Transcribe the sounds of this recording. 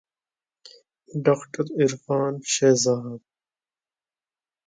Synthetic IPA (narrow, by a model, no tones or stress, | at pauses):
ɖaːkʈɐɾiɾfaːnɕeːzaɦad̪̚